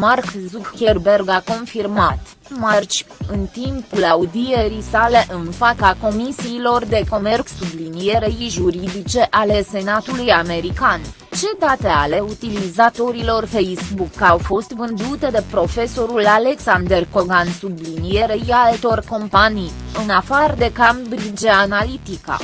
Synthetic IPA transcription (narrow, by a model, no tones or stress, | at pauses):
markzukxerbe̞rɡako̞nfirmat̪ | mart͡ʃʲɨnt̪impulaud̪ie̞ɾisale̞ʔɨnfat̪sako̞misiːlo̞rd̪e̞ko̞me̞rksublinije̞ɾejʒuɾid̪it͡ʃe̞ʔale̞se̞nat̪ulujame̞ɾikan | t͡ʃe̞d̪at̪e̞ale̞ut̪ilizat̪o̞ɾilo̞rfejsbukːawfo̞st̪vɨnd̪ut̪e̞d̪e̞pɾo̞fe̞so̞ɾulale̞ksand̪erko̞ɡansublinije̞ɾejalt̪o̞rko̞mpanijɨnafard̪e̞kambɾid͡ʒeanalit̪ika̰